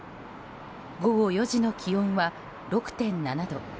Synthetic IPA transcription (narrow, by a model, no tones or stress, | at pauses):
ɡo̞ɡo̞jo̞ʑino̞kʲʰiõɰ̃βa | ɾo̞kɯ̟̥t̪ẽ̞nːanad̪o̞